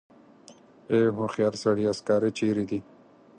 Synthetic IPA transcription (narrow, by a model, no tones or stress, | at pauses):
eɦũxjaːɾsɐɽiaskaːɾet͡ʃiːɾid̪i